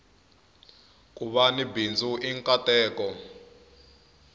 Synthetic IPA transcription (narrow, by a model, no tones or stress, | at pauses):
kʼuɓanibind͡zʱuʔiŋkʼatɛːkɔ